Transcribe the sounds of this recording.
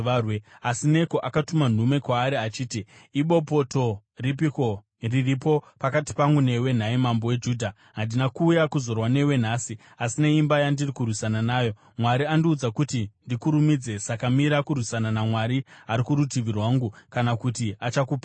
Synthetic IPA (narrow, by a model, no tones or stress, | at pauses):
weasine̞ko̞ʔakatuman̤ume̞kwaːɾiat͡ʃiːtiːɓo̞po̞to̞ | rip̬iko | riripo̞pakati̥paŋɡune̞we̞n̤aimambo̞we̞d͡ʒuːdʱa | ɦandinakuːjakuzo̞rwane̞we̞n̤aːsi | asine̞imbajandirikurwisananaːjo̞ | mwaɾiandiud͡zakutindikuɾumid͡ze̞sakamiɾakurwisananamwaɾiaɾikuɾutiʋirwaŋɡukanakutiat͡ʃakuːpa